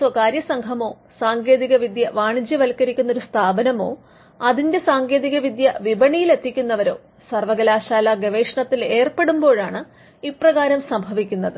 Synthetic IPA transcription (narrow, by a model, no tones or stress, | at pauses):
sɐkaːɾjɐsɐŋɡʱɐmo̞ː | saːŋɡe̞ːðiɣɐʋid̪jɐʋaːɳid͡ʑjɐʋɐlkːɐɾikʲːunːɐoɾust̪ʰaːbɐnɐmo̞ː | ɐðinde̞saːŋɡe̞ːðiɣɐʋid̪jɐʋibɐɳijile̞t̪ːikʲːunːɐʋɐɾo̞̰ː | sɐrʋɐɡɐlaːɕaːlɐɡɐʋeːʂɐɳɐt̪ːile̞ːrpe̞ɽumbo̞ːɻaːɳɨ | iprɐɣaːɾɐmsɐmbʱɐʋikʲːunːɐðɨ